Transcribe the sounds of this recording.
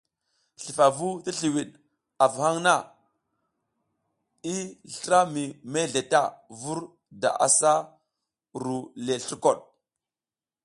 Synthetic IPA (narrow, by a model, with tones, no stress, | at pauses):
ɬi˨fa˨vu˦ti˦ɬi˨wi˨ɗ | a˨vha˦ŋna˦ | i˦ɬɾa˦mi˨me˦ɮe˨ta˦˨vu˦ɾ | da̰˨ʔa̰˨sa˦ | ɾu˨le˨ɬu˦ko˨ɗ̚